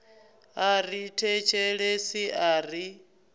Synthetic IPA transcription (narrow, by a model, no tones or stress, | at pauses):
aritʰɛt͡ʃʰɛɺesiʔaːri